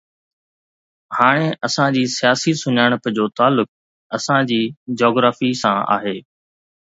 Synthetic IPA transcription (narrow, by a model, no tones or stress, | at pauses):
haːɽ̃eʔɐsãd͡ʑiːsijaːsisʊɲaːɽ̃əpd͡ʑoːt̪aːlːʊk̚ | ɐsãd͡ʑiːd͡ʑɔːɡɾaːfisãːa̰ːɦeː